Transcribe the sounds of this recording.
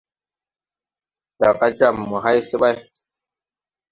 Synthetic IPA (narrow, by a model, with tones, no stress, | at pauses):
da˨ka˦d͡ʒa˦˨mːu˨ɦa˦jsi˦ɓa˦j